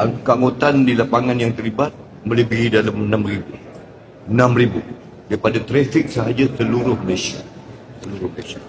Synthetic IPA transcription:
akəaŋɡot̪andilapaŋãnjaŋt̪ərɾlibat̪̚ | məlibiɾidalamənãmribu | ənãmribu | daipadat̪ɾɛfɪk̚səɦad͡ʒasəluɾʊhməlesa̰ | səluɾʊhməlaesḁ

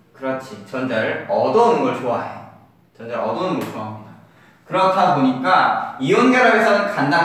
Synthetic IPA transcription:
kɯɾʌt͡ɕʰit͡ɕʌnd͡ʑaɾɯɾʌdʌunnɡʌɭt͡ɕoa̰ɦe | t͡ɕʌndeʌdʌnɡʌɭt͡ɕoamɲida | kɯɾʌtʰaboɲik͈aionɡʌɾʌbesʰʌnɯnkanda

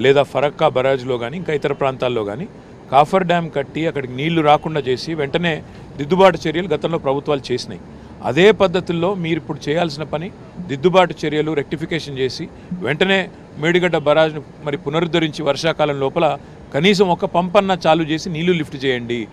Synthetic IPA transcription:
lɛːd̪aːpʰɐɾɐkːaːbɐɾaːd͡ʒulo̞ːɡaːniːŋkaːit̪ɐɾɐpɾaːnt̪aːlːo̞ːɡa̰ːni | kaːpʰɐɾɖaːmkɐʈːiɐkːɐɽikiniːɭːuɾaːkuɳɖaːt͡ʃe̞ːsiʋeɳʈɐne̞ː | d̪id̪ːubaːʈɐt͡ʃeɾjɐluɡɐt̪ɐmlo̞ːpɾɐbʱut̪ʋaːlut͡ʃe̞ːsina̰ji | ɐ̰d̪e̞ːpɐd̪ːɐt̪ilːo̞ːmiːɾipːuɽut͡ʃɛːjaːls̬inɐpɐni | d̪id̪ːubaːʈɐt͡ʃeɾijɐluɾek̚ʈipikeːʂɐnt͡ʃe̞ːsi | ʋeɳʈɐne̞ː | meːɽiɡɐɖɐbɐɾaːd͡ʒni | mɐɾipunɐɾud̪oɾiɲt͡ʃiʋɐɾʂaːkaːlɐmlɔːpɐlɐ | kɐniːs̬ɐmɔkɐpɐmpɐnːɐt͡ʃaːlut͡ʃe̞ːsiniːlːulipʰʈt͡ʃɛːjɐɳɖi

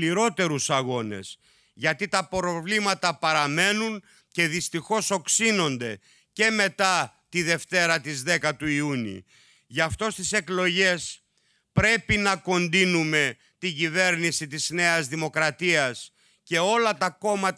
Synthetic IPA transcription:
iɾo̞t̪e̞ɾusɐɣo̞ne̞̰s | ʝɐt̪it̪ɐpɾo̞vlimɐt̪ɐpɐɾɐme̞nun | ce̞ðist̪ixo̞so̞ksino̞nd̪e̞ | ce̞me̞t̪ɐ | t̪iðe̞ft̪e̞ɾɐt̪izðe̞kɐt̪uiunḭ | ʝɐft̪o̞st̪ise̞klo̞ʝe̞s | pɾe̞pinɐko̞nd̪inume̞ | t̪iɟive̞ɾnisit̪izne̞ɐzðimo̞kɾɐt̪iɐs | ce̞o̞lɐt̪ɐko̞mɐt̪

